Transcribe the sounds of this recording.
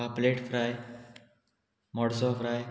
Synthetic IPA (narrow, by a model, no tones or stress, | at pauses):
apleʈfɾaj | mɔɽsɔfɾaj